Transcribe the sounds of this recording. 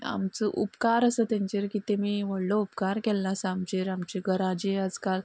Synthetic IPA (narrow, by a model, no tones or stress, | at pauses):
a̰mt͡səʔupkaɾəsət̪jãɲt͡ɕeɾkit̪ẽmiːʋəɽləupkaɾkɛlːasəamt͡ɕeɾamt͡ɕeɡəɾãd͡ʑead͡zkal